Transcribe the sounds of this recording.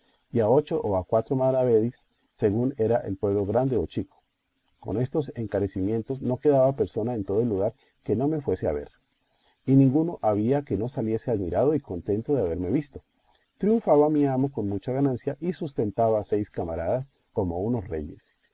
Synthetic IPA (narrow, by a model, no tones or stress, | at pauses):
iao̞t͡ʃo̞ʔoakwat̪ɾo̞maðɾaβe̞ðisː | e̞ɣune̞ɾaʔḛlpwe̞βlo̞ɣɾand̪e̞ot͡ʃiko̥ | ko̞̰ne̞st̪o̞se̞ŋkaɾe̞simjẽ̞nt̪o̞sno̞ke̞ðaβape̞ɾso̞nae̞nt̪o̞ðoelːuɣ̞aɾ | ke̞no̞me̞fwe̞se̞a̰βe̞̰ɾ | inĩŋɡuno̞ʔaβiake̞no̞salje̞seaðmiɾaðo̞iko̞nt̪e̞nt̪oðeaβe̞ɾme̞βist̪o̞ | t̪ɾjuɱfaβamiamo̞ko̞nmut͡ʃaɣanansjaʔisust̪e̞nt̪aβase̞jskamaɾaðas | ko̞mo̞uno̞sre̞̰ʝe̞s